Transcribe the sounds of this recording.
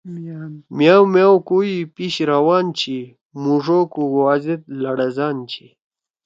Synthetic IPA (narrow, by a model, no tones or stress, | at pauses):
mjawmjawkuipiɕɾawaːnt͡ɕʰi | muʐoːkuɡwazit̪̚lɐɽɐzaːnt͡ɕʰi